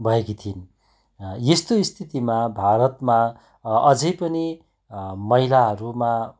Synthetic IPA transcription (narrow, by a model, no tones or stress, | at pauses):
bʱʌekit̪ʰin | jest̪oist̪ʰit̪imabʱaɾʌt̪ma | ʌd͡zʌjpʌni | mʌilaɦʌɾuma